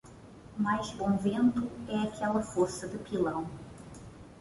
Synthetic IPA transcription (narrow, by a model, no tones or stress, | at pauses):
majzbõw̃vẽnt̪ʊɛakʰɛlɐfoɾsɐd̪ɪpilɐ̃w̃